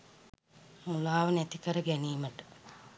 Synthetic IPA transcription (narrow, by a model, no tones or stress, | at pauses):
mulaːʋənæt̪ikəɾəɡæniːməʈə̥